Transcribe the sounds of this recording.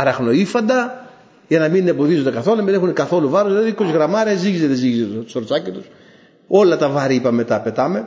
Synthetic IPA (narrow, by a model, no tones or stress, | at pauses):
ɐɾɐxno̞ifɐnd̪ɐ | ʝɐnɐminebo̞ðizond̪ekɐθo̞lunɐminexunekɐθo̞luvɐɾozðilɐðiiko̞siɣɾɐmɐɾiɐziʝizeðeziʝizet̪t̪o̥soɾot͡sɐcit̪us | o̞lɐt̪ɐvɐɾiipɐme̞t̪ɐpet̪ɐme̞